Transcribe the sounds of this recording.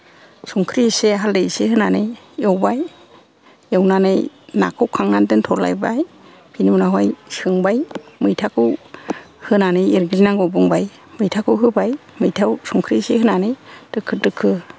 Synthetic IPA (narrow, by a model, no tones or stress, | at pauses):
suŋkʰɾiseɦaldejsehɯnanɯj | ewbaj | ewnanɯjna̰kʰɯwkʰaŋnandɯntʰɔɾla̰jba̰j | pʰinimunaɦɔjsɯŋbajmɯjtʰakʰɯw | hɯnanɯjiɾɡlinaŋɡɔbuŋbaj | mɯjtʰakʰɯwɦɯbajmɯjtʰawsɔŋkʰɾisehɯnanɯjtɯkʰːɯtɯkʰːɯ